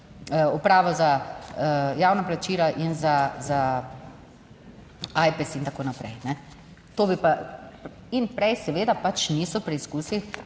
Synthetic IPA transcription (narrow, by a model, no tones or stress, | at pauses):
əɔpɾaːʋɔza | jaːwnaplat͡ʃiːlaʔinzaza | aːjpɛsint̪akoːnapɾɛ̰jnɛ | t̪oːbipa | inpɾɛjsɛʋeːd̪apat͡ʃniːsɔpɾɛiskuːsi